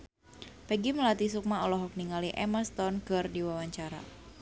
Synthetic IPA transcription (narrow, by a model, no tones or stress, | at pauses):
pɛɡiməlat̪isuk̚maɔlɔɦɔk̚niŋaliʔɛməst̪ɔnkɨrdiwawaɲt͡ʃaɾa̰